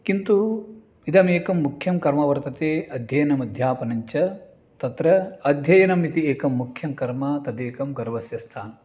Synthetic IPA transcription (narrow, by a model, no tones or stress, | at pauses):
kint̪u | id̪ɐmeːkɐmːukʰjɐmkɐɾmɐʋɐɾt̪ɐt̪eːɐd̪ʱjɐjɐnɐmɐd̪ʱjaːpɐnɐɲt͡ʃɐ | t̪ɐt̪ɾɐɐd̪ʱjɐjɐnɐmit̪ieːkɐmːukʰjɐmkɐɾmɐt̪ɐd̪eːkɐmɡɐɾʋɐsjɐst̪ʰaːnɐ